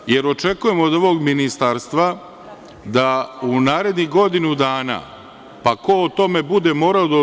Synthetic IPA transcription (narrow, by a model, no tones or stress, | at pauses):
je̞ɾo̞t͡ʃe̞kuje̞moːd̪oʋo̞ɡminist̪aɾst̪ʋa | d̪aunaːɾe̞d̪niɣɡo̞d̪inud̪aːna̰ː | pako̞ot̪o̞me̞bud̪e̞mo̞ːɾaod̪a